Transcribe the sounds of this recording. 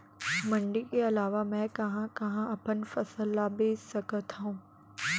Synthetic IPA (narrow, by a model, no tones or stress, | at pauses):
mɐ̃ɳɖikeɐlaːʋamɛ̃kɐɦãkɐɦãɐpənfɐsəlːabeːssɐkət̪ũː